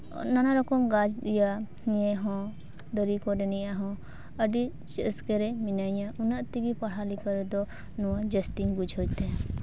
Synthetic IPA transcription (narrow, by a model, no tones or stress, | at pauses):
nanaɾɔkɔmɡad͡ʒd̪ijahijɛɦɔ̃ | d̪əɾikɔɾɛnɛjaɦɔ̃ | əɖi | t͡ʃɛskɛɾɛminaɲaʔunaʔt̪iɡipaɽ̤alikɔɾɛd̪ɔ | nɔwad͡ʒɛsʈiŋbud͡ʒʱɦɔjt̪ɛ